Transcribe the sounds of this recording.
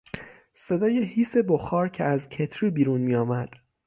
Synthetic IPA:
se̞d̪ɒːje̞hiːse̞boxɒːɾcʰeæzcʰe̞t̪ʰɾiːbiːɾunmiːjɒːmæd̪̥

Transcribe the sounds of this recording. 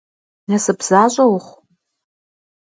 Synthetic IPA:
nasɨpʰz̥aɕʷʼawχʷ

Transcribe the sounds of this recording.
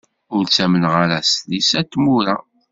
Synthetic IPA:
ʊɾt͡sːæmənʁaɾæslisæt̪ːmuɾa

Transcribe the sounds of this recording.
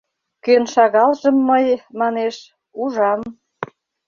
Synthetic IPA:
kønʃɑɣɑlʒəmːəjmɑneʃ | uʒɑm

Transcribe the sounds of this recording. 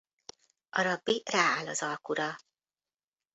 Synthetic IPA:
ʔɒɾɒbːiraːaːlɒzɒlkuɾɒ

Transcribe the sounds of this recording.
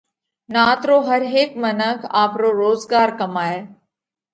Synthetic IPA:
naːt̪ɾoːɦɐɾɦeːkmənəkʰaːpɾoːɾoːzɡaːɾkɐmaːeː

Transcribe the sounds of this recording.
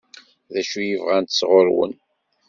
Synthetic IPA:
ðæʃujəvʁænt̪əsʁoɾwə̰n

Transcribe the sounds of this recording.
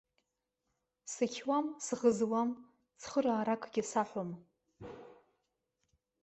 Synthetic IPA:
sɨkʲʰwamsʁəzwam | sχəraːɾakʼɡʲɪsaħʷom

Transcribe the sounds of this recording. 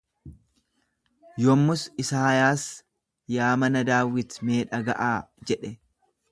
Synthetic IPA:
jɔmːʊsɪsaːjaːs | jaːmɐnɐd̪aːwɪt̪me̞ːᶑɐɡɐʔaːd͡ʒɛᶑɛ

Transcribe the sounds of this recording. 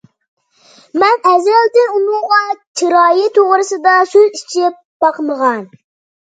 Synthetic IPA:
mɛnɛzɾɛld̪ɪnunʊŋʁɑt͡ʃʰiɾɑːjɪt̪ʰoʁɾɨsɨd̪ɑsyzit͡ʃʰɪp̚b̥ɑqməʁɑn

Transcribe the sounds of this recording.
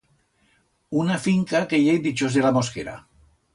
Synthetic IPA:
unafiŋkakeʎejd̪it͡ʃozðelamoskḛɾa̰

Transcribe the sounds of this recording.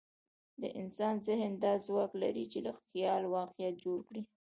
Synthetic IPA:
d̪ə̰ʔɪnsɑnzɪhnd̪ɑzwɑkla̰ɾit͡ʃelaxjɑlwɑqijat̪̚d͡ʒoɽkɽi

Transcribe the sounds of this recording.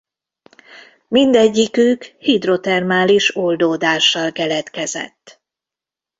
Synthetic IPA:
mind̪ɛɟːikøːkhid̪ro̞t̪ɛrmaːliʃo̞ld̪oːd̪aːʃːɒlkɛlɛt̪kɛzɛ̰t̪ː

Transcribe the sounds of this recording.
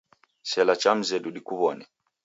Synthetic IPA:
sɛlat͡ʃam̩zɛɗuɗikuβɔnɛ

